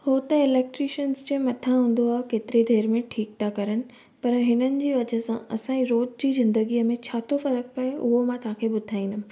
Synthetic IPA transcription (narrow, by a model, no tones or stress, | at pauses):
hoːt̪ɐɪleːk̚ʈɾiʃənzd͡ʑẽːmɐt̪ʰãɦũːn̆d̪oaːɦekeːt̪ɪɾid̪ʱeːɾmẽʈʰiːk̚t̪ʰakɐɾənɪ̆ | pɐɾɦɪnənɪ̆d͡ʑiːʋɐd͡ʑə̆sãɐsãiɾoːd͡ʑd͡ʑiːzɪ̃nd̪əɡiːəmẽt͡ɕʰaːt̪ʰofɐɾək̚pɐeʊɦomãt̪ɐɦãkʰebʊd̪ʱaːĩːnd̪ʊ